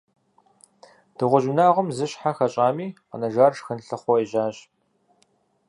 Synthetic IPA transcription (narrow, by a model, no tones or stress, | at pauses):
d̥ɨʁʷʊʑɪnaːʁʷʊmzɨɕħaxɐɕʼaːmiːqə̰nɐʒaːrʂxɨnɬɨχʷɔeːʒaːɕ